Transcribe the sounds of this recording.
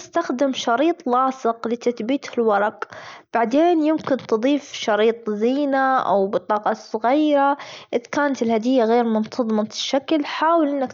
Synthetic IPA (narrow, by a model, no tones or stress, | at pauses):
ɪst̪axd̪ɪmʃɑɾiːt̪ˤlɑːsˤɨqlit̪ɪt̪bit̪hɪlwɑɾˤɑqb̥aʕd̪eːnjɪmkɪnt̪ɨd̪ˤiːfʃɑɾiːt̪ˤziːnaʔa̰wbɨt̪ˤɑːqɑsˤʊɣiːɾaʔɪðkaːnat̪ɪlhad̪ɪjːaɣeːɾmʊnt̪ʰɑðˤmɑt̪ɪʃːaklħaːwɪlʔɪnːak